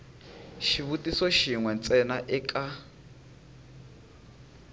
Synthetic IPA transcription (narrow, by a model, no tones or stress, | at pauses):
ʃiβutʼisɔʃiŋwɛnt͡sʼɛnaʔɛkʼa